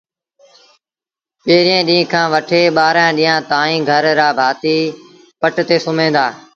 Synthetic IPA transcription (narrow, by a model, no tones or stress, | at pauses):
peːɾiẽːɗĩːkʰãːʋəʈʰeːɓaːɾãːɗĩːãːt̪aːĩːɡʱəɾːaːbʱaːt̪iː | pəʈt̪eːsʊmẽːnd̪aː